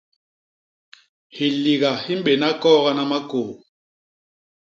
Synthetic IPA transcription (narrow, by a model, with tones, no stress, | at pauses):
hi˨li˨ɣa˨hi˦m˦ɓe˨na˦kɔː˦ɣa˦na˦ma˦koː˨